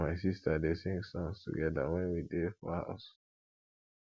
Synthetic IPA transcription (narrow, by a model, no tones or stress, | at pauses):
aɪsistadesẽŋsãnstṵɡɛdawɛ̃nwidefɔ̰ha̰ʊs